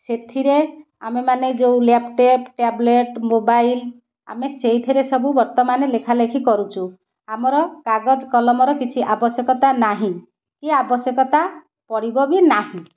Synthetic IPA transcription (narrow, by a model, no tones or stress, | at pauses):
set̪ʰiɾe | amemaned͡ʒeũlepʈepʈableʈmobail | a̰meseɦjit̪ʰiɾesɔbubɔɾt̪ɔmanelekʰalekʰikɔɾut͡ʃʰu | amɔɾɔkaɡɔd͡ʒkɔlɔmɔɾɔkit͡ʃʰiʔabɔsjɔkɔt̪anaɦĩ | kiabɔsjɔkɔt̪a | pɔɽibɔbinaɦĩ